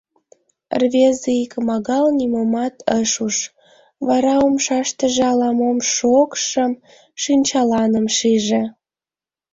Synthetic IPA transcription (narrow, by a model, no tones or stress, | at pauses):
rβezeikmɑɣɑlnimomɑt̪əʃuʃ | βɑɾɑomʃɑʃt̪əʒeɑlɑmomʃokʃəm | ʃinʲt͡ɕɑlɑnəmʃiʒe